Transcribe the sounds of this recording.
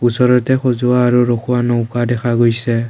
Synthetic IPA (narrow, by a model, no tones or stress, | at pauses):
usɔɹɔtɛxozʊwaːɹuɹokʰuwanɔwkadɛkʰaɡojsɛ